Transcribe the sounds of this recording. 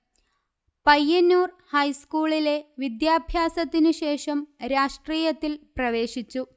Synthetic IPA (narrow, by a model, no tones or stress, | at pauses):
pɐjːɐnːuːr | hɐjskuːɭile̞ʋid̪jaːbʱjaːsɐt̪ːinuɕe̞ːʂɐmɾaːʂʈriːjɐt̪ːilprɐʋe̞ːʂit͡ɕːu